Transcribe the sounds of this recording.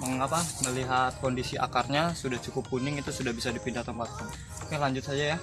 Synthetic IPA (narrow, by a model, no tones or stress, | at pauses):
məŋŋapaməliɦat̪̚kondisiʔa̰karɲasudaht͡ʃukʊpːunɪŋit̪usudahbisadipindaht̪əmpat̪̚ | akalaɲd͡ʒʊt̪sad͡ʒaja